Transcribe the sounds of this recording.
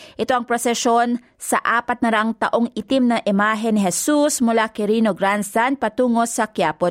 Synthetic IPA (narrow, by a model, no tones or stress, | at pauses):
ʔɪt̪o̞ʔɐŋpɾosɛʃo̞n | sɐʔaːpɐt̪̚nɐɾaŋt̪ɐʔo̞ŋɪt̪imnɐʔɪmaːɦɛnɪɦɛsusmʊlakɛɾiːnoɡɾansanpɐt̪uːŋo̞sɐkjaːpo